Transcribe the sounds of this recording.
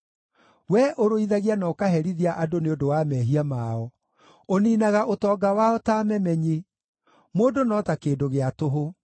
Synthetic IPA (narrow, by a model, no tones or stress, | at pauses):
wɛʔoɾoiðaɣianakaɦɛɾiðiaʔadoneodowamɛːɦiamaɔ | oniːnaɣaʔotɔːɡawaɔtaːmɛmɛɲe | moːdonɔtakeːdoɣeatoɦo